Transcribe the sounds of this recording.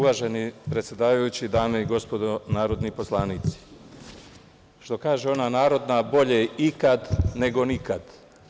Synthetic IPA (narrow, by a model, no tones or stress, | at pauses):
uʋaʒe̞nipɾe̞t̪sʲje̞d̪aːʋajut͡ɕid̪aːme̞iɡo̞spo̞d̪o̞naːɾo̞d̪nipo̞slˠaːniːt̪si̥ | ʃt̪o̞kaːʒeo̞nanaːɾo̞d̪nabo̞ʎeikad̪ne̞ɡo̞nikad̪